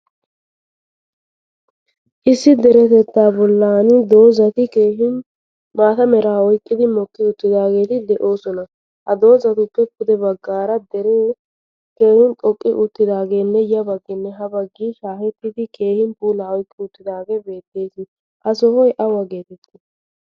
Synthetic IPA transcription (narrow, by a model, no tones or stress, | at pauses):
ʔɪsːɪd̪ɛɾɛt̪ɛt̪ːaːbɔlːaːnɪd̪o̞ːzɐt̪ɪkeːɦɪn | maːt̪ɐmɛɾaːɔjkʼːɪd̪ɪmɔkːɪʊt̪ːɪd̪aːɡe̞ːt̪ɪd̪ɛʔo̞ːsɔnɐ | hɐd̪o̞ːzɐt̪ʊpːɛkʊd̪ɛbɐɡːaːɾɐd̪ɛɾe | ke̞ːhʊnt̪ʼɔkʼːɪʔʊt̪ːɪd̪aːɡe̞ːnːɛjɐbɐɡːɪnːɛɦɐbɐɡːiːʃaːhɛt̪ːɪd̪ɪke̞ːhɪnpuːlaːɔjkʼːɪʊt̪ːɪd̪aːɡe̞ːbe̞ːt̪ːe̞ːsɪ | ʔɐsɔhɔjʔɐwɐɡe̞ːt̪ɛt̪ʼːɪ